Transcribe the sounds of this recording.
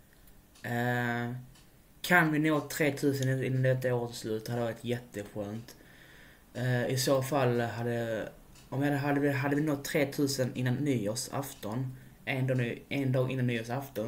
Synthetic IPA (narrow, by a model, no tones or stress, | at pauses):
kʰanvɪnoːt̪ʰɾeːt̪ʰʉ̟ːs̬ənɪnːand̪ɛt̪ːaoːɾət̪slʉ̟ːt̪t̪shad̪ːəvɑːɾɪt̪jɛt̪ːəɧøːnt̪ | ɪsoːfalːɦad̪ə | ɔmvɪad̪ɦad̪ːəɪɦad̪ːəvɪnot̪ʰːɾeːt̪ʰʉ̟ːsənɪnːanːyːoːsa̰ft̪ɔn | ʔɛnd̪ʔɛnd̪ɑːɡɪnːanːyːoːʂaft̪ɔn